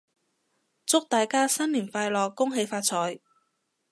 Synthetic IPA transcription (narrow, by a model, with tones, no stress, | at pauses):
t͡sʊ˥k̚t̪aː˨jkaː˥sɐ˥nliː˨˩nfaː˧jlɔː˨kːʊ˥ŋɦe˧jfaː˧t̚t͡sʰɔː˨˧j